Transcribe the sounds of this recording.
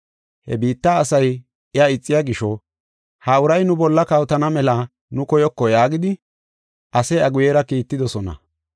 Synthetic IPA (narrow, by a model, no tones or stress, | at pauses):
hɛ̰biːt̪ːaːsɐj | ɪɐɪt͡sʼːɪjaɡɪʃɔ | hɐʊɾɐjnʊbɔlːɐkɐwt̪ɐnɐmɛlɐ | nʊkɔjɔkːɔjaːɡɪd̪ɪ | ʔɐsɛɐɡʊjeːɾɐkiːt̪ːɪd̪ɔsɔnɐ̰